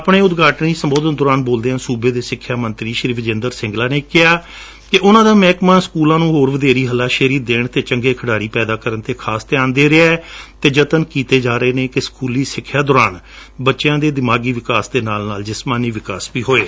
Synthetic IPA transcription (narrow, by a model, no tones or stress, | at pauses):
əpɳeːʊd̪ɡaːʈniːsəmboːd̪ənd̪ɔːɾaːnboːld̪eːãːsuːbeːd̪eːsɪkʰːjaːmənt̪ɾiːʃəɾiːfʰd͡ʒẽːnd̪əɾsɪ̃ŋɡlaːneːkɪɦaː | kɪʔʊnãːd̪aːmɛːkmãːskuːlãːnũːɦoːɾʋəd̪eːɾiːɦəlːaːʃəɾiːd̪ːeːɳt̪eːt͡ʃəŋɡeːkʰəɽaːɾiːpɛːd̪aːkəɾənt̪eːkʰaːst̪ɛjaːnd̪eːɾeɛːt̪eːd͡ʒət̪ənkiːt̪eːd͡ʒaːɾəeːneːkɪskuːliːsɪkʰːjaːd̪ɔːɾaːn | bətːʃjãːd̪eːd̪ɪmaːɡiːʋɪkaːsd̪eːnaːlnaːld͡ʒɪsmaːniːʋɪkaːsbiːɦoːeː